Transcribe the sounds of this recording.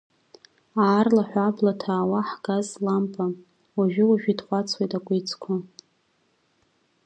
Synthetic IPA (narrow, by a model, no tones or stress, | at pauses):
aːrlaħʷᶣablatʰaːwaħɡazlampʼa | waʒᶣɪwaʒᶣidχʷat͡sʰwejtʼakʷʼʊjt͡sʰʼkʷʰa